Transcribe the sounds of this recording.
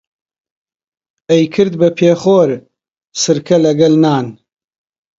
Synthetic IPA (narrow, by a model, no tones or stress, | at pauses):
ejkʰɨɾd̪bɐpʰeːχoːɾ | sɨɾkʰɐlɐɡɐlnaːn